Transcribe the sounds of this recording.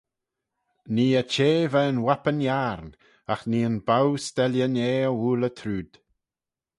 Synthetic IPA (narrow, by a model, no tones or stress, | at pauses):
niːət͡ʃeːvɛənwapənjaɾn | axniːənbawst̪ɛljəneːəwuːlət̪ʰɾuːd̪̥